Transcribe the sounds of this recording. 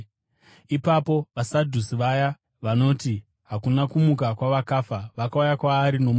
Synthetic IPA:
ipapo̞ʋasadʱusiʋaja | ʋano̞ːti | ɦakunakumukakwaʋakaːfaʋakaujakwaːɾino̞m

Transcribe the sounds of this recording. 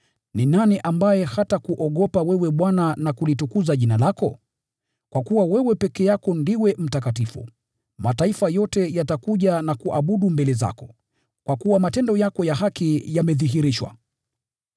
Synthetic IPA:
ninaniʔambajɛhatakuʔɔɠɔpawɛwɛɓwananakulitukuzaʄinalakɔ | kwakuwawɛwɛpɛkɛjakɔndiwɛm̩tak̬atifṵ | mataifajɔtɛjatakuʄanakuʔaɓuɗumbɛlɛza̰kɔ̥ | kwakuwamatɛndɔjakɔjaɦakijamɛðiɦiɾiʃwa̰

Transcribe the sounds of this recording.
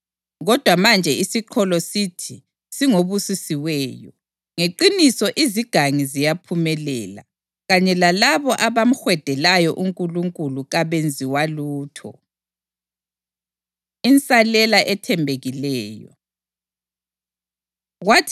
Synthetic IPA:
ɣɔd̥ʱwamand͡ʒʱɛisiǃʰɔlɔsitʰi | siŋoβusisiwɛːjɔ | ŋeǃinisɔʔiziɡ̥ʱaŋizijapʰumɛlɛ̰ːla̰ | ɣaɲɛlalaβɔʔaβam̩xwɛd̥ʱɛlajɔʔuŋkʼuluŋkʼuluɣaβend͡zʱiwaluːtʰɔ̰ | int͡sʼalɛlaʔɛtʰɛmbʱeɣilɛːjɔ̰ | ɣwatʰ

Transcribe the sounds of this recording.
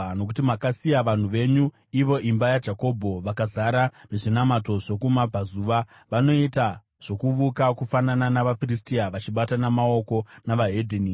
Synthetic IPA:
no̞kutimakasijaʋan̤uʋe̞ɲu | iʋo̞ʔimbajad͡ʒako̞bʱo̞ʋakazaɾane̞ʐinamato̞ʐe̞kumapazuʋa | ʋano̞ita | ʐ̥o̞kuʋukakufanananaʋafiristiaʋat͡ʃiɓatanamao̞ko̞naʋaɦedʱeni

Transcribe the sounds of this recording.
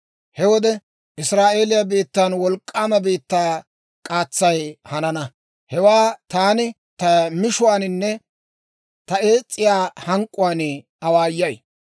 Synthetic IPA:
hɛwɔd̪ɛ | ʔɪsɾaːʔe̞ːlɪjabiːt̪ːaːnwɔlkʼːaːmɐbiːt̪ːaː | kʼaːt͡sːɐjhɐnɐnɐ | hɛwaːt̪aːnɪ | t̪ɐmɪʃʊwaːnɪnːɛ | t̪ɐe̞ːt͡sʼːɪjaːhɐŋkʼʊwaːn | ɐwaːjːɐj

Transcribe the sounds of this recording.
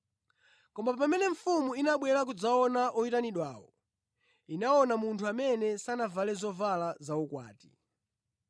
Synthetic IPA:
kɔmbapamɛnɛɱ̩fumuinaɓwɛɾak̬ud͡zaɔnaʔɔitaniɗwaːwɔ̰ | inaɔnamuntʰuamɛnɛsanavalɛzɔvalazaukwa̰ːti̥

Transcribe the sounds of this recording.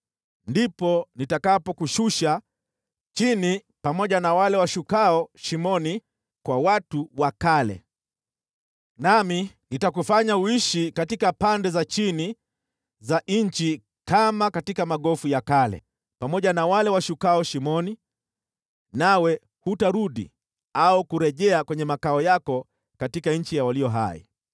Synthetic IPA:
ndipɔnitakapɔkuʃuʃa | t͡ʃini | pamɔʄanawalɛwaʃukaɔʃimɔni | kwawatuwakalɛ̰ | nami | nitakufaɲauiʃikatikapandɛzat͡ʃini | zaʔɲ̩t͡ʃi | kamakatikamaɠɔfujakalɛ̰ | pamɔʄanawalɛwaʃukaɔʃimɔni | nawɛ | hutaɾuɗḭ | aukuɾɛʄɛakwɛɲɛmakaɔjakɔ | katikaɲ̩t͡ʃijawaliɔɦa̰ḭ

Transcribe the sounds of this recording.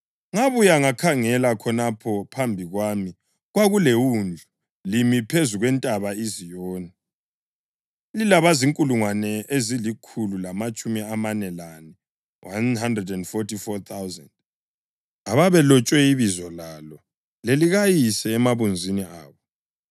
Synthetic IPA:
ŋaβujaŋakʰaŋɛlakʰɔnapʰɔpʰambʱiɣwami | ɣwaɣulewund͡ɮʱu | limipʰezuɣwɛntʼaβaizijɔːni | lilaβaziŋkʼuluŋwanɛʔezilikʰululamat͡ʃʼumiamanɛlanɛ | wʔanhandrɛdɛndfɔtifɔt̪ʰawzɛ̰nd | aβaβɛlɔt͡ʃʼwɛiβizɔlalɔ | leliɣajisɛːmaβund͡zʱiniaːβɔ

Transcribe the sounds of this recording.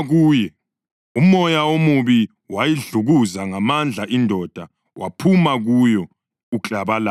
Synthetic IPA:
ɣuːjɛ | um̩ɔjaomuβi | wajiɮuɣuzaŋamand͡ɮʱaʔindʱɔd̥ʱa | wʔa̰pʰumaɣujɔ | uǁʼaβala

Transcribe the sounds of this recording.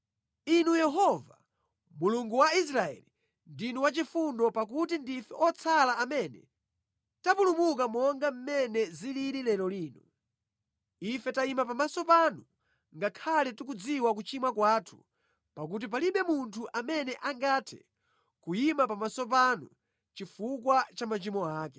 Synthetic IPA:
inujɛɦɔva | muluŋɡuwais̬ɾaɛ̰li | ndinuwat͡ʃifundɔpak̬utindifɛʔɔt͡sʰalaːmɛnɛ̰ | tapulumuk̬amɔŋɡam̩mɛnɛziliɾilɛɾɔliːnu | ifɛtaimap̬amasɔpanu | ŋɡakʰalɛtuk̬ud͡ziwak̬ut͡ʃimwakwaːtʰu̥ | pakut̬ip̬aliɓɛmuntʰuʔamɛnɛʔaŋɡaːtʰɛ̰ | kujimapamasɔp̬anu | t͡ʃifukwat͡ʃamat͡ʃimɔaːkɛ̥

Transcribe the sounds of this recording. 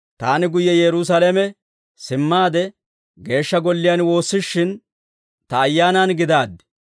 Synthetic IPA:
t̪aːnɪɡʊjːɛjɛɾʊs̬ɐlɛmɛ | sɪmːaːd̪ɛ | ɡe̞ːʃːɐɡɔlːɪjɐːnwo̞ːsːɪʃːɪn | t̪ɐːjːaːnanɡɪd̪aːd̪ːɪ̥

